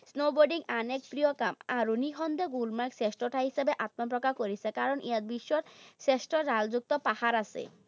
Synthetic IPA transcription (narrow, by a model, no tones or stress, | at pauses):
snoboɾɖiŋanek̚pɾijokamaɾuniɦʰɔnd̪eɡulmaɾkseʃʈoʈʰaɦiʃebeʔat̪map̬ɾɔkakoɾit͡ɕʰekaɾoniad̪̚biʃːoɾseʃʈoːald͡ʑuk̚t̪opahaɾasʰḛ